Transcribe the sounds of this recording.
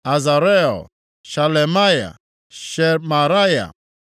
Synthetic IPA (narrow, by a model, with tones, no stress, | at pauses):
a˨za˨ɾɛ˦ɔ̰˨ | ʃa˨lɛ˨ma˦ja̰˨ | ʃɛ˨ma˨ɾa˦ja̰˨